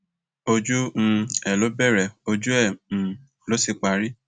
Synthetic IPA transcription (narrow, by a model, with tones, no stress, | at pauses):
o˧d͡ʒũ˦˧ɛ˨lo˨˦bɛ˦˨ɾɛ˨o˧d͡ʒu˦ɛ̃˦˨ | lo˨˦si˧k͡pa˧ɾi˦